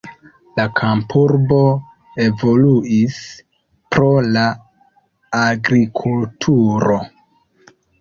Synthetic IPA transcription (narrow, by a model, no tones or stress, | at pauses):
lakʰampʰuɾbo̞ | e̞vo̞luis | pɾo̞laː | ɡɾikʰultʰuɾo̞